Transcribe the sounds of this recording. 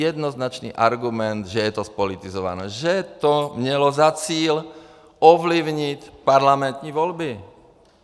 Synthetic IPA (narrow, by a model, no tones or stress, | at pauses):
ɛd̪nɔznat͡ʃnḭːʔaɾɡumɛnd̪ʒɛjɛt̪ɔspɔlit̪izɔʋa̰nɛːʒɛt̪ɔmɲɛlɔzat͡siːl | ɔʋliʊɲicpaɾlamɛnt̪ɲiʋɔlbi